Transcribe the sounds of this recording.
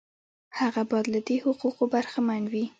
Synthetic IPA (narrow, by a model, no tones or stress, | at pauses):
haɣabɑd̪lad̪ehʊquqobaɾxamanwi